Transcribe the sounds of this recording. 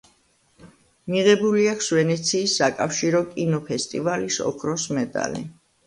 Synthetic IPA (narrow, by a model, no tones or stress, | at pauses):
miʁɛbuliakʰsvɛnɛt̪sʰiːsːakʼafʃiɾɔkʼinɔpʰɛst̪ʼivalisɔ̰kʰɾɔsmɛd̪a̰lḭ